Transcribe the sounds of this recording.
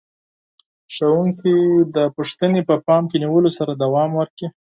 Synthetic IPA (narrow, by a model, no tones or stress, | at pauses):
ʃawuŋkid̪əpuʂt̪ənepəpɑmkeniwəlosaɾad̪awɑmwəɾki